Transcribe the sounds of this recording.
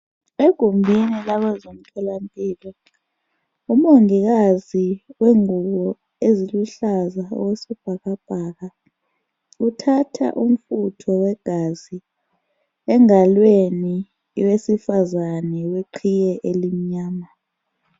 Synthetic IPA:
eɡ̥ʱumbʱinilaβazom̩kʰʼɛlampʼiːlɔ | um̩oŋiɣaziweŋuɣɔ | eziluɬazaɔ̰wesib̥ʱaɣab̥ʱaɣa | utʰatʰa̰ʔum̩futʰɔwɛɡ̥ʱazi | ɛŋalweni | wesifazanɛweǃʰijɛʔelim̩ɲaːma

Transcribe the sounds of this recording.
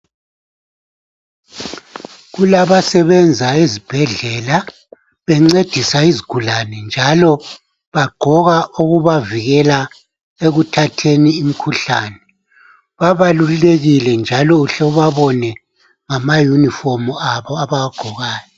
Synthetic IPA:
ɣulaβasɛβɛnd͡zʱaizib̥ʱɛɮɛla | βɛŋ͡ǀed̥ʱisaiziɡ̥ʱulanɛnd͡ʒʱalɔ | βaɡ͡ǃʱɔɣaʔuɣuβaviɣɛla | eɣutʰatʰeniːm̩kʰuɬaːnɛ | βaβaluleɣilɛnd͡ʒʱalɔuɬɔβaβɔnɛ | ŋamajunifɔmuaβɔaβaɣaɡ͡ǃ̥ʱɔɣaːjɔ

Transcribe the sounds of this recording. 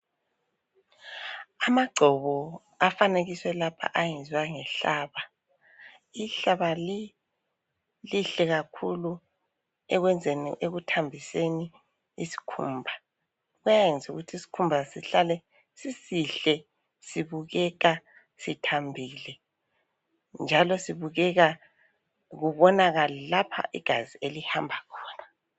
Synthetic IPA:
amaɡ͡ǀʱɔβɔ | afaneɣiswɛlapʰa̰ʔajɛnd͡zwaŋɛɬaːβa | iɬaβali | liɬɛɣakʰulu | ɛɣwɛnd͡zʱenḭʔeɣutʰambʱiseni | isi̥kʰuːmbʱa | ɣujajɛnd͡zʱṵɣutʰisi̥kʰumbʱasiɬalɛ | sisiɬɛ | siβuɣɛɣa | sitʰambʱiːlɛ | nd͡ʒʱalɔsiβuɣɛɣa | ɣuβɔnaɣalɛlapʰa̰ʔiɡ̥ʱazielihambʱakʰɔːna

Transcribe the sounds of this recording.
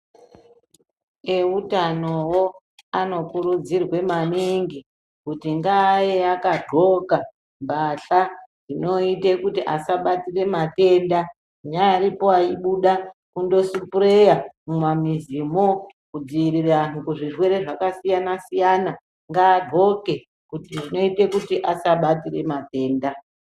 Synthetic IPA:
e̞utanowo | ano̞kuɾud͡zirwe̞maniŋɡi | kutiŋɡajeakadʱo̞ka | mbaɬarino̞itekutiʔasaɓatire̞mate̞nda | ɲaːɾipo̞aiɓuɗakundo̞supurejamumamizimo | kud͡ziiriranukuʐiʐwe̞ɾe̞ʐakasijanasijana | ŋɡaːrʱo̞ke̞ | kutiʐino̞itekutiʔasaɓatire̞mate̞ːnda

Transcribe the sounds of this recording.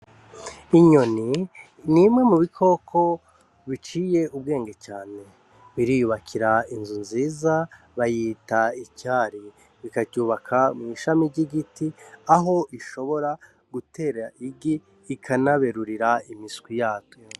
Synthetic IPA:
iɲo̞ni | nimŋe̞muβikʰo̞kʰo̞ | βit͡ʃiːje̞ub̚ɡe̞ːŋɡecaːne̞ | βiɾijuβakʰiɾainzunziːza | βajitaicaːɾi | βikaɟuːβakʰamŋiːʃamiɾɟiɡitiaɦo̞ʔiʃo̞βo̞ɾa | ɡ̥utʰe̞ɾaʔiɡiː | kʰanaβe̞ɾuɾiɾaimiskwijaːto

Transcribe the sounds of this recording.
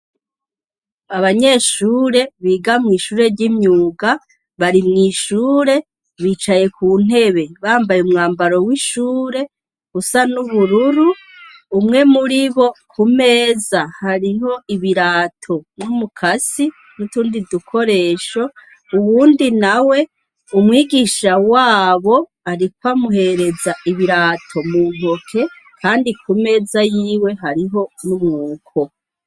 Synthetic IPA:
aβaɲe̞ːʃuːɾe̞βiːɡamŋiːʃuːɾe̞ɾɟimɲuːɡa | βaɾimŋiːʃuːɾe̞ | βiːt͡ʃaje̞kʰuːn̥e̞βeβaːmbajeumŋaːmbaɾo̞wiʃuːɾe̞ | usanuβuɾuɾuː | mŋe̞muɾiβo̞kʰume̞ːzahaɾiɦo̞ʔiβiɾaːtʰo̞numukʰasi | nutuːndidukʰo̞ɾe̞ːʃo̞ | uβuːndinawe̞ | umŋiːɡiːʃawaːβo̞ | aɾik̚wamuɦe̞ɾe̞zaʔiβiɾaːtʰo̞muːn̥ho̞kʰe̞ | kʰaːndikume̞ːzajiːwe̞ɦaɾiɦo̞numŋuːkʰo̞

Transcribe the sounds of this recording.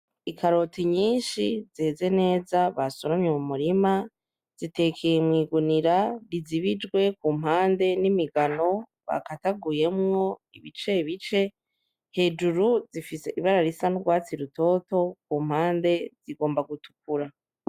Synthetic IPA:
ikʰaɾo̞tiɲiːnʃizeze̞ne̞ːzaβasuɾamɲemumuɾima | z̥ite̞kʰejemwiːɡuniɾaɾiziβid͡ʒɡwe̞kuːm̥ɦaːnde̞nimiɡano̞ | βa̰kataɡuje̞mŋo̞iβit͡ʃe̞βit͡ʃe̞ | he̞ːd͡ʒuɾuzifise̞ʔiβaɾaɾisanuɡwaːt͡siɾuto̞ːto̞kuːm̥haːnde̞z̥iɡo̞ːmbaɡutu̥k̚uɾa

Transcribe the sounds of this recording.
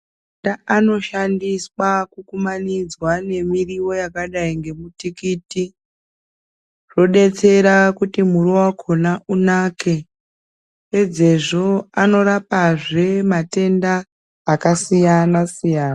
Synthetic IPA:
daano̞ʃandiswakukumanid͡zwane̞miriwo̞jakaɗaiŋɡe̞mutikiːti | ʐo̞ɗe̞t͡se̞ɾakutimurowakʰo̞naʔunaːke̞ | ked͡ze̞ʐo̞ano̞ɾapaʐe̞mate̞ndaː | kasijanasijaːna

